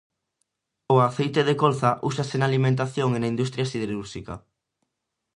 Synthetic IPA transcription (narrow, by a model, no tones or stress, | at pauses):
oaθejt̪eðekolθaʔuʃasenaːlimẽnt̪̬aθjoŋenaind̪ust̪ɾjasiðeɾuɾʃika̰